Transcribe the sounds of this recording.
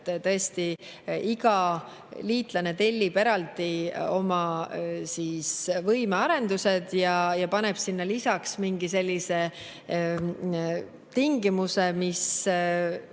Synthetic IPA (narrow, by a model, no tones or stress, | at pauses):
t̪ɤest̪i | iɡɑ | liːt̪ˑlɑne̞t̪e̞lʲːipeɾɑlt̪io̞mɑsiːsvɤjmeɑɾe̞nd̪used̪̥jɑjɑpɑne̞b̥sinːɑlisɑksmiŋɡ̥ise̞lʲːise̞ | t̪iŋɡimuse̞mis